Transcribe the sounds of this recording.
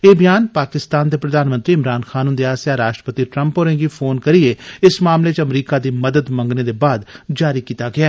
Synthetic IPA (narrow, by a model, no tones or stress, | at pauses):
eːbɪjaːnpaːkɪst̪aːnd̪eːpɾəd̪aːnmə̃nt̪ɾiːɪmɾaːnxʰaːnũːnd̪eaːsjaːɾaːʃʈɾəpət̪iːʈɾə̃mpoːɾẽɡipʰoːnkəɾieɪsmaːmlet͡ʃəmɾiːkaːd̪iːməd̪əd̪mə̃ŋɡneːd̪eːbaːd̪d͡ʒaːɾiːkiːt̪aɡɪaː